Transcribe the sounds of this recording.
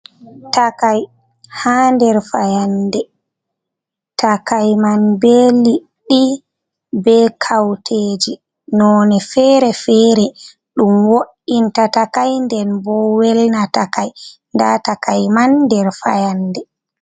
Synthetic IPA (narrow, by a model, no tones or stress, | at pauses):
takaj | handɛɾfajandɛ | takajmanbɛli | ɗːi | bɛkʰawtʰeːd͡ʒi | nɔnɛfɛɾɛfɛːɾɛ | ɗumwoʔintatakajndɛnbɔwɛlnatakaj | ndatakajmanːdɛɾfa̰jandɛ